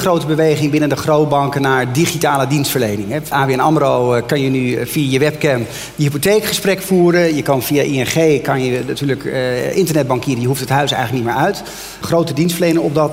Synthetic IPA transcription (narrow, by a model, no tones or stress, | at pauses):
χrowtəbəʋejχɪŋbɪnəndəχrowt̚bɑŋkənaːɹdiχitaːlədinstfəɹlejnɪŋɛaːbeɛnɑmrowkɑnjənyvijajəʋɛp̚kɛm | jəɦipotejkχəsprɛkfuːɾənjəkɑnvijaʔiɛnχejkɑnjənatyːɹləkʔɪ̰ntəɹnɛd̚bɑŋkiːɾəjəɦuftətɦœɥsɛjxələk̚nit̚mɪːɹœɥt | χrowtədinstfəɹlejnɪŋɔpdɑt